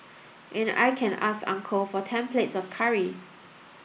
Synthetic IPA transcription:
ʔɛ̃na̰jkʰɛ̃nʔa̰skã̰ŋkʰəfɔtʰɛ̃mpletsɔfkʰaɹi

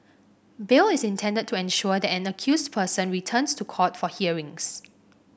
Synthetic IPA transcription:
bɪlɪsɪ̃ntʰɛ̃ndəd̚tʰːuɛ̃nʃuədɛtɛ̃nəkʰjusdpʰəsə̃nɹitʰə̃nstʰukʰɔtfɔhiəɹɪ̃ŋs

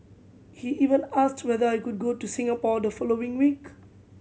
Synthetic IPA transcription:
hiʔivə̃nastʰwɛdəajkud̚ɡotusĩŋapɔd̪əfɔloɪ̃ŋwik

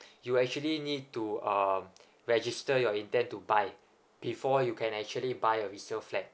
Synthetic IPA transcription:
juɛk̚t͡ʃuəlinid̚tuʌm | ɹɛd͡ʒistəjɔĩntɛ̃ntubaɪ | b̥ifɔjukʰɛ̃nɛk̚t͡ʃuəlibajəɹisnəlflɛt̚

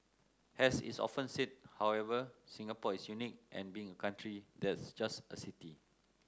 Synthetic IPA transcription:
hɛsḭsɔ̰fə̃nsit̚hawɛvəsĩŋapɔisjunik̚ʔɛ̰̃nbiɪ̃ŋəkãntʰɹidɛtsd͡ʒasə̰siti

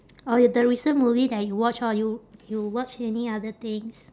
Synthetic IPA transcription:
ɔdəɹisə̃nmuvidɛt̚juwɔt͡ʃɔjujuwɔt͡ʃɛniadət̪ɪ̃ŋs

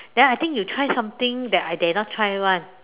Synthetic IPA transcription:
dɛ̃najt̪ɪ̃ŋkjutʰɹajsãmt̪ɪ̃ŋdɛtajdɛnɔt̚ʰɹajɹãn

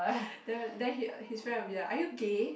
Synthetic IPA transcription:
dɛdɛ̃nihisfɹɛ̃nɔfjaʔajuɡe

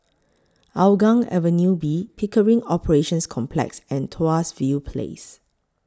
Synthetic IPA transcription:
ʔaʊɡãŋɛ̰vənjubipʰikəɹĩŋɔpʰəɹeʃə̃nskʰɔ̃mpʰlɛ̰ksɛ̃ntʰoasvipʰlḛs

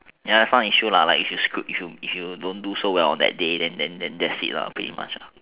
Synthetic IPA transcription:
jadɛsãniʃulalaɪkifjuskɹipifjuifjudõndusowɛlɔ̰̃ndɛ̰t̚dedɛ̃ndɛ̃ndɛ̃ndɛsḭt̚la̰pɹitḭma̰t͡ʃla

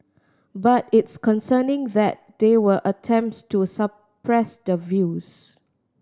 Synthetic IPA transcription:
batɪtskɔ̃nsənɪ̃ŋðɛt̚d̪̥ewəʔətʰɛ̃mp̚ttusə | pɹɛsdəvjus

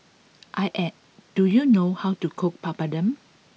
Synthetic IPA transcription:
ʔajʔɛt̚ | d̥ujunohawtukʰok̚pʰapadə̃m

